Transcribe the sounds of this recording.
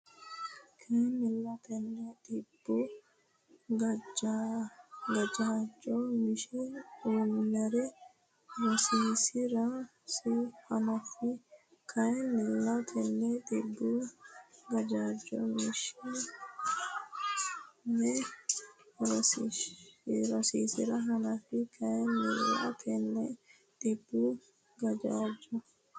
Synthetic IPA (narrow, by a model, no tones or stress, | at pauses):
kʰɐjnɪlːɐt̪ɛnːɛt̪ɪbːʊ | ɡɐ | ɡɐd͡ʒaːd͡ʒɔmɪʃɛunːɐɾɛ | ɾɔsiːsɪɾa | sɪhɐnɐfɪ | kʰɐjnɪlːɐt̪ʰɛnːɛt̪ʼɪbːu | ɡɐd͡ʒaːd͡ʒːɔ̰mɪʃɪ | nɛ | ɾɔs | ɾɔsiːsɪɾɐɦɐnɐfɪkʰɐjɛnɛlːa̰t̪ʰɛnːɛ | t̪ʼɪbːu | ɡɐd͡ʒaːd͡ʒɔ